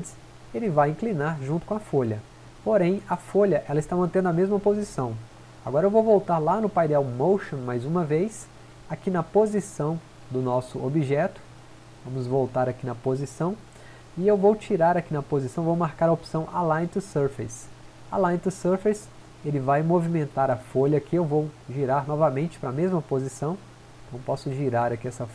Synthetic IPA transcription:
d͡ʒɪs | elɪvajĩklinaɾʒũt̪ʊkõɐafoʎɐ | poɾẽj̃ɐfoʎɐʔɛlɐɪst̪amɐ̃nt̪ẽnd̪ʊɐmezmɐpozisɐ̃w̃ | aɡɔɾɐewvowvowt̪aɾlanʊpajd̪ɛwmowʃõmajzũmɐvejs | akinɐpozisɐ̃w̃ | d̪ʊnɔsʊobiʒɛt̪ʊ̥ | vɐ̃mʊzvowt̪aɾakinɐpozisɐ̃w̃ | ɪewvowt͡ʃiɾaɾakinɐpozisɐ̃w̃vowmaɾkaɾɐopsɐ̃w̃ʔalaẽt̪ɾʊsɛɾfejs | a̰laẽt̪ʊsɛɾfejs | elɪvajmovimẽnt̪aɾɐfoʎɐkʰɪewvowʒiɾaɾnɔvɐmẽnt͡ʃɪ̥pɾɐmezmɐpozisɐ̃w̃ | ẽt̪ɐ̃w̃pɔsʊʒiɾaɾakiɛsɐ

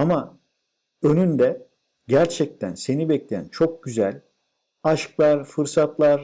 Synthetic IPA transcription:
ama | ø̞nynd̪ɛ | ɟæɾt͡ʃʰɛc̚t̪ʰænse̞nibɛclʲejæ̰nt͡ʃʰo̞k̚ɟ̥yzælʲ | aʃklˠaɾfɯɾsat̪lˠaɾ

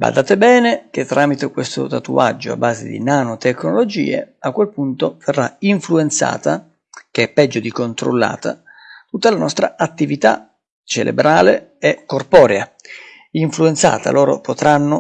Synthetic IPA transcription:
ba̰d̪aːt̪ebɛːnek̟et̪ːɾaːmit̪ekwest̪o̰t̪at̪ṵad͡ʒːo̰a̰bːaːzḛd̪ḭnanot̪ekːnolod͡ʒḭːḛakːwelpunt̪ov̥erːaiɱfluent̪sa̰ːt̪a | k̟eɛpːɛd͡ʒːod̪ikont̪ɾo̰lːa̰ːt̪at̪ut̪ːalanɔst̪ɾa̰at̪ːivit̪a̰ | t͡ʃelʔḛbɾaːleɛkːorpɔːɾea | iɱfluent̪sa̰ːt̪a̰lɔːɾo̰pot̪ɾanːo

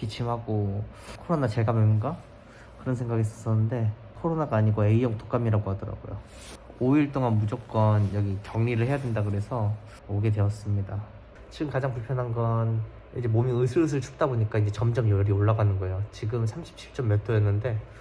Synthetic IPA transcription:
kit͡ɕʰimɦaɡokʰoɾonat͡ɕe̞ɭɡamjʌminɡa | kɯɾʌnsʰe̞ŋɡaɡis͈ʌs͈ʌnːɯnde̞ | kʰoɾonaɡaːɲiɡoe̞ijʌŋtʰo̥k͈amiɾaɡohadʌɾa̰ɡ̥o̰jo̰ | oiɭt͈oŋanmud͡ʑok̚k͈ʌnjʌɡikjʌŋɲiɾɯɭhe̞jadwendaɡɯɾe̞sʰʌ | oɡe̞dwe̞ʌs͈ɯmɲida | t͡ɕiɡɯmkad͡ʑaŋpuɭpʰjʌnɦanɡʌn | id͡ʑe̞momjiɯsʰɯɯs̬ʰɯɭt͡ɕu̥p̚t͈aboɲik͈aind͡ʑe̞t͡ɕʌmd͡ʑʌmjʌɾioɭːaɡanɯnɡʌejot͡ɕiɡɯmsʰamɕʰi̥p̚ɕʰi̥p̚t͡ɕ͈ʌmːjʌtʰoenːɯnde̞

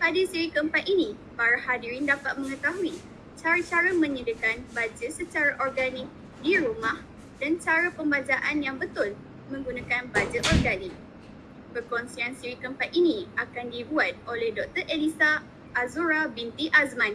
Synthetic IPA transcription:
padisiɾikəmpat̪inĩ | paɾahadiɾindapat̪̚mə̃ŋə̃t̪aɦui | t͡ʃaɾat͡ʃaɾamə̃ɲədəkanbad͡ʒəsət͡ʃaɾaʔɔrɡanik̚ | diɾumãh | d̥ant͡ʃaɾapəmbad͡ʒaʔanjaŋbət̪ʊl | mə̃ŋɡunãkanbad͡ʒəʔɔrɡanik̚ | b̥ərkɔnsiansiɾikəmpat̪inĩakandibuat̪̚olɛhdɔk̚t̪ərʔelisaː | zuɾabint̪iʔazmãn

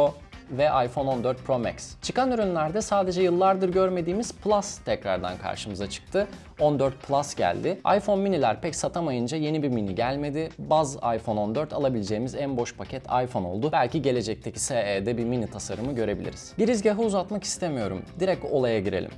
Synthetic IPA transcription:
o | vɛʔajfo̞no̞nd̪øɾt̪̚pʰɾo̞mɛcst͡ʃʰɯkanyɾynlʲæɾd̪ɛsaːd̪e̞d͡ʒɛjɯlˠːaɾd̪ɯɾɟø̞ɾme̞d̪iːmiz̥plˠast̪ʰɛcɾa̰ɾd̪a̰nkʰa̰ɾʃɯmɯzat͡ʃʰɯ̥k̚t̪ʰɯ | o̞nd̪øɾt̪̚pʰlˠasɟæ̰lʲd̪ɪa̰jfo̞nminilʲæɾpʰɛcsat̪ʰamajɯnd͡ʒaje̞nibiɾminiɟælʲme̞d̪ɪbazajfo̞no̞nd̪øɾt̪ʰalˠabilʲed͡ʒe̞jːmizænbo̞ʃpʰacʰɛt̪ʰa̰jfo̞no̞̰lˠd̪ʊbælʲciɟe̞lʲe̞d͡ʒɛc̚t̪ʰecʰi̥seeːd̪ɛbiminit̪ʰasaɾɯmɯɟø̞ɾe̞bilʲḭɾiz̥ɟiɾizɟaɦɯuzat̪maki̥st̪ʰemijo̞ɾṵmd̪iɾɛc̚o̞lˠajaɟiɾelʲḭm

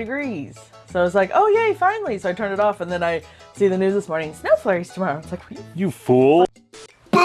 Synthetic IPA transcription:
ɨɡɹiz̥ | soʊɪwʌz̬laɪko̰ʊjeɪfãɪ̃nlisoʊaɪtʰɜ̃˞nɨɾɔfɨ̃nðɨ̃naɪ | siðɨnʉzðɨsmɔɹnɪ̃ŋsnoʊflɛɹiz̥tʰəmɑɹoʊslaɪkjɨfulˠ

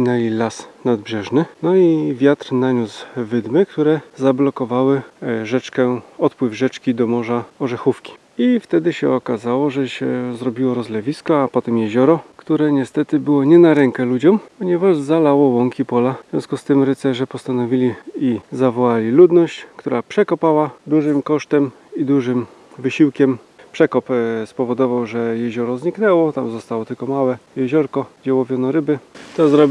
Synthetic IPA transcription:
nɛlʲilasnad̪̚bʐɛʐnɘnɔivʲjat̪ɾnaɲuzvɘd̪mɘkt̪uɾɛzablɔkɔvawɘʐɛt͡ʂkɛɔt̪pwɘvʐɛt͡ʂkʲid̪ɔmɔʐaɔʐɛxufkʲi̥ | ift̪ɛd̪ɘɕɛɔkazawɔʐɛɕɛzɾɔbʲiwɔɾɔzlɛvʲiskɔapɔt̪ɛmjɛʑɔɾɔkt̪uɾɛɲɛst̪ɛt̪ɘbɘwɔɲɛnaɾɛŋkɛlud͡ʑɔmpɔɲɛvaʐzalawɔwɔŋkʲipɔlavʲjɔ̰̃skust̪ɘmɾɘt̪sɛʐɛpɔst̪anɔvʲilʲiizavɔwalʲilud̪nɔɕt͡ɕkt̪uɾapʂɛkɔpawad̪uʐɘmkɔʂt̪ɛm | id̪uʐɘmvɘɕiwkʲɛm | pʂɛkɔpspɔvɔd̪ɔvawʐɛjɛʑɔɾɔzɲiknɛwɔt̪amzɔst̪awɔt̪ɘlkɔmawɛjɛʑɔɾkɔd͡ʑawɔvʲjɔnɔɾɘbɘt̪ɔzɾɔbʲ

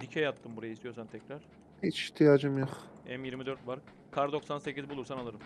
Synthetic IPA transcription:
d̪icʰɛjat̪ʰːɯmbuɾajaist̪ʰijo̞sant̪ʰɛcɾaɾ̥ | it͡ʃiht̪ʰijaːd͡ʒɯmjoχɛmjiɾmid̪ø̞ɾt̪vaɾ | kʰaɾd̪o̞ksanse̞cizbulˠuɾsanalˠɯɾɯm

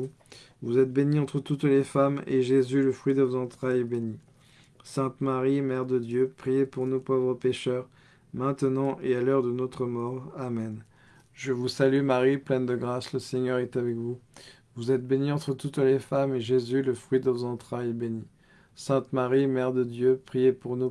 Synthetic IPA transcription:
vuzɛt̪̚beniɑ̃t̪χət̪ut̪lefamḛʒezyləfχɥid̪əvozɑ̃t̪χajɛbeni | sɛ̃t̪maʁimɛʁd̪əd̪jøpχijepuʁnupovʁəpeʃœʁ | mɛ̃t̪ənɑ̃ʔealœʁd̪ənot̪χəmɔʁamɛn | ʒəvusalymaʁiplɛnd̪əɡʁasləseɲœʁɛt̪avɛkvu | vuzɛt̪̚beniɑ̃t̪χət̪ut̪lefameʒezyləfχɥid̪əvozɑ̃t̪χajbeni | sɛ̃t̪maʁimɛʁd̪əd̪jøpχijepuʁnu

